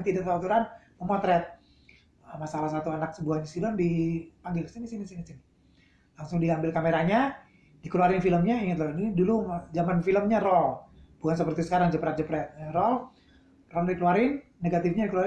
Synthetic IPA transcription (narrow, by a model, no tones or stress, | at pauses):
t̪idaʔt̪aat̪uɾanpəmɔt̪ɾɛt̪̚ | əmasalahs̬at̪uanak̚səbuahnisilɔndipaŋɡɪlsinisinisinisin | laŋsʊŋdiambɪlkameɾaɲa | dikəluaɾɪnfiləmɲaiŋət̪lɔinidulud͡ʒamanfiləmɲarɔlbukansəpərt̪isə̥kaɾaŋd͡ʒəpɾɛt̪̚d͡ʒəpɾɛt̪̚rɔl | rɔldikəluaɾɪnːeɡat̪ifɲadikəlua